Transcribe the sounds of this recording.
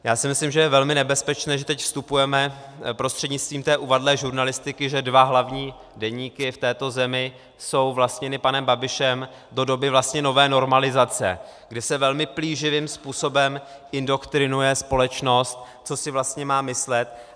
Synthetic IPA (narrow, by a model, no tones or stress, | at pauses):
jaːsɪmɪslimʒɛjɛvɛlmɪnɛbɛspɛt͡ʃnɛːʒɛt̪ɛcfst̪upujɛmɛpɾost̪r̥ɛdɲɪt͡st̪viːmt̪ɛːʔuvadlɛːʒuɾnalɪst̪ɪkɪʒɛdvaɦlavɲiː | dɛɲiːkɪft̪ɛːt̪o̞zɛmɪ | so̞wvlast̪ɲɛnɪpanɛmbabɪʃɛm | do̞do̞bɪvlast̪ɲɛno̞vɛːno̞ɾmalɪzat͡sɛ̰ɡdɪsɛvɛlmɪpliːʒɪvɪmspuːso̞bɛmʔɪndo̞kt̪ɾɪnujɛspo̞lɛt͡ʃno̞st̪̚ | t͡so̞sɪvlast̪ɲɛmaːmɪslɛt̪̚